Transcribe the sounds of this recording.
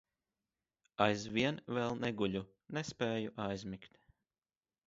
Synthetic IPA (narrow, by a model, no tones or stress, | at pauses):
ajzviɛnvɛlˠnɛɡuʎʲu | nɛspɛːjuʔajzmikt̪